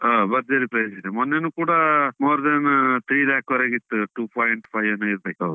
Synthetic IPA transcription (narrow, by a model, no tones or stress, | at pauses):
abɐɾd͡ʒɐɾipɾɐjd͡ʒ̪id̪emɔnːenuːkuːɽamoːɾd̪ɐnt̪ʰɾiːlaːkʋɐɾeɡit̪ːuʈuːpʰɔːjɳʈpʰɐjɐnːuiɾbeːkɐʋɾu